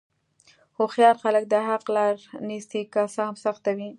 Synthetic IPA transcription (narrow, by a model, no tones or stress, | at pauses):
hoxjɑɾxalək̚d̪əɦaqlɑɾnisikasɑmsaxt̪awi